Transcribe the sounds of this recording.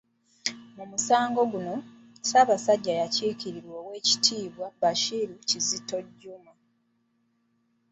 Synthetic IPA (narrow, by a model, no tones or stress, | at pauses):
mumusaːŋɡo̞ɡuno̞ | saβasaɟːajaciːkiɾiɾwowe̞ːci̥tʰiːβwabaʃiɾucizitːo̞ɟːuma